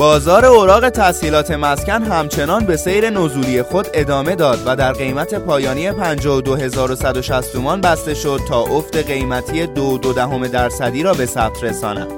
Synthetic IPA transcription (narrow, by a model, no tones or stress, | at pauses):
bɒːzɒːɾe̞oɾɒːɣe̞t̪ʰæsiːlɒːt̪ʰe̞mæscʲænɦæmt͡ʃʰe̞nɒːnbe̞se̞jɾe̞nozuːɾije̞xo̞d̪e̞d̪ɒːme̞d̪ɒːd̪væd̪æɾɣe̞jmæt̪ʰe̞pʰɒːjɒːniːe̞pʰænd͡ʒɒːɦod̪oɦe̞zɒːɾo̞sæd̪o̞ʃæst̪ʰomɒnbæst̪e̞ʃo̞d̪̥̚t̪ʰɒːʔoft̪e̞ɣe̞jmæt̪ʰijed̪od̪od̪æɦo̞me̞d̪æɾsæd̪iːɾɒːbe̞sæp̚t̪ʰɾe̞sɒ̰ːnæ̰d̥